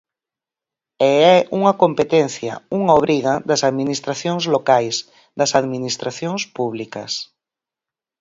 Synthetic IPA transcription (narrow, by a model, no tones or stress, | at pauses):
ɛɛʔuŋɐkompet̪ɛnθjɐ̰uŋaoβɾiɣɐd̪ɐsaðminist̪ɾaθjoŋzlokajs | d̪ɐsaðminist̪ɾʔaθjoŋspuβlikɐ̰s